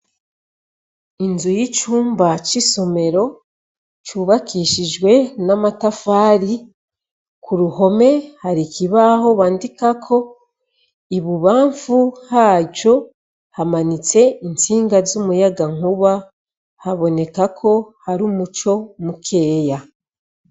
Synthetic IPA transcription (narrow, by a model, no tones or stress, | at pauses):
inzujit͡ʃuːmbat͡ʃiso̞me̞ɾo̞ | t͡ʃuβakiːʃiʒwe̞namatafaːɾi | kʰuɾuho̞me̞haɾikiβaho̞βaːndikakʰo̞ | iβuβaːɱfuhaːɟo̞ | hamanit͡se̞int͡siːŋɡazumujaɡaŋ̥uβa | haβo̞ne̞kakʰo̞haɾumut͡ʃo̞mukʰe̞ːja